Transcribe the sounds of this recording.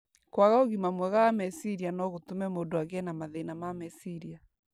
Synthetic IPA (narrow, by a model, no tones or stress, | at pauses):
kwaɣaoɣimamwɛɣaːmɛsiɾianɔɣotumɛmodoaɣɛnamaðɛinamamɛsiɾia